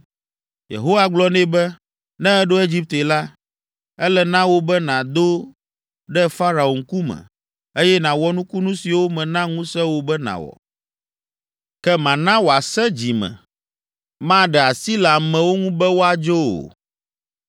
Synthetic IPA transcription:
jḛ˨ɦo˦wa˦ɡ͡blɔ˦nɛ̃˦bɛ˦ | nɛ̃˦ɛ˦ɖo˦e˦d͡ʑi˦p̚t̪e˨la˦ | ɛ˦lɛ˦nã˦wo˦bɛ˦nã˨d̪o˦ | ɖɛ˦fa˦ɾa˨o˨ŋku˦mɛ̰̃˨ | e˦jɛ˦nã˨wɔ˦nũ˦ku˦nũ˦si˨wo˦mɛ̃˨nã˦ŋũ˦sɛ˦wo˨bɛ˦nã̰˨wɔ̰˨ | kɛ˦mã˨nã˦wo˨a˨sɛ̃˦d͡ʑi˨mɛ̰̃˨ | mã˦ɖɛ˨a˨si˦la˨mɛ̃˨wo˦ŋũ˦bɛ˦wo˦a˨d͡ʒo˦o̰˨

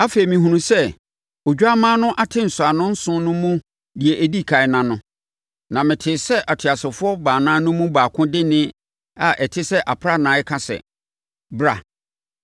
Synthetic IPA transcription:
a˦fe˨i˨mĩ˨hũ˨nũ˨sɛ˦ | o˨d͡ʑᶣa˦mãː˦nʊ̃˦ʔa˦tʰɪ̃˦n̩˨sʊ˨a˨nʊ̃˦n̩˦sʊ̃˦nʊ̃˦mũ˦ | di˨e˨ʔæ˨di˦kʰa˨ɪ˨nã˨nʊ̃˦ | nã˨mɪ̃˨tʰɪ˨sɛ˦ʔa˨tʰɥa˨sɪ˨fʊ˦ɔ˦baː˨nãː˦nʊ̃˦mũ˦baː˨kʰʊ̃˦dɪ˦nɪ̃˦ | a˨ʔɛ˨tʰɪ˦sɛ˦ʔa˨pʰɾa˦nãː˨˦ɛ˦kʰã˦sɛ̰˨ | bɾa̰˨

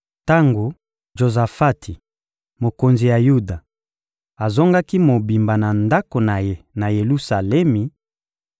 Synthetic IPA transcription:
ta˦ŋɡo˨ | ʒo˨za˨fa˦tʰi˨ | mo˨ko˨nzi˨ja˨ju˦da˨ | a˨zo˦ŋɡa˦ki˦mo˨bi˨mba˨na˨nda˦ko˨na˨je˦na˨je˨lu˦sa˨lɛ˦mi˨

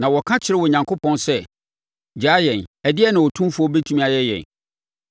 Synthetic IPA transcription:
nã˨wɔ˨kʰã˦t͡ɕʰɪ˨ɾɪ˦wɔ˨ɲã˨ŋkʰo˦pʰɔ̃˦nsɛ˦ | d͡ʑaː˨˦jɛ̃˨næ˨dɪ˦ɛ˦nã˨wɔ˨tʰũ˦m˦fʊ˨˦ɔ˦be˦tʰu˦mĩ˦a˨jɛ˦jɛ̰̃˨n

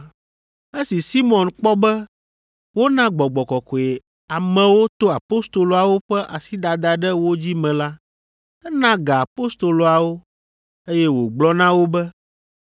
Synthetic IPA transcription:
e˦si˨si˦mɔ̃˨nk͡pɔ˦bɛ˦ | wo˦nã˦ɡ͡bɔ˨ɡ͡bɔ˨kɔ˨kɔ˨e˨ | a˨mɛ̃˨wo˦t̪o˦a˨po˦st̪o˨lo˨a˨wo˦ɸɛ˦ʔa˨si˦d̪a˨d̪a˨ɖɛ˦wo˦d͡ʑi˦mɛ̃˨la˦ | ɛ˦nã˦ɡa˨a˨po˦st̪o˨lo˨a˨wo˦ | e˦jɛ˦wo˨ɡ͡blɔ˦nã˦wo˦bɛ˦

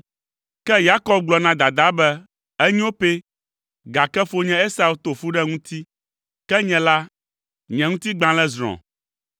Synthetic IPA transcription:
kɛ˦ja˦kɔ˦b̚ɡ͡blɔ˨nã˦d̪a˨d̪a˦bɛ˦ | ɛ˦ɲĩ˦o˦pe˦ | ɡa˨kɛ˦fo˦ɲɛ̃˦e˦sa˨u˦t̪o˨fu˦ɖɛ˦ŋũ˦t̪i˦ | kɛ˦ɲɛ̃˨la˦ | ɲɛ̃˨ŋũ˦t̪i˦ɡ͡bã˨lɛ˦zɾ̃ɔ̰̃˨

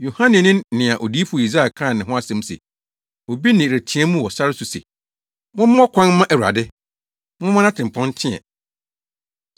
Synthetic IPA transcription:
jo˨hã˦nɪ̃˨nɪ̃˦nːɪ̃˨a˨ʔo˨di˦fu˨o˨i˨za˦a˨kʰã˦˨nɪ̃˨ɦʊ̃˦a˦sɛ̃˦m˦sḛ˨ | ɔ˨bi˦nɪ̃˨ɾæ˨tʰĩ˨˦ɛ˦mũ˦wɔ˨sa˦ɾɪ˦su˨sḛ˨ | mʊ̃˦mɪ̃˦ɔ˦kʷʰã˦n˦mã˦ʔæ˨wu˨a̰˨dɪ˦ | mʊ̃˦mʊ̃˦nã˦tʰɪ̃˨m˨pʰɔ̃˦n˦tʰɪ̃˦ɛ̰˨

